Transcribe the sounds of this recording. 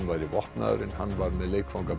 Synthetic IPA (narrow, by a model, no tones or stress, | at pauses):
nvajɾivɔhp̪na̰ðɾɪnhanːvaɾmɛðleːjkfawŋkap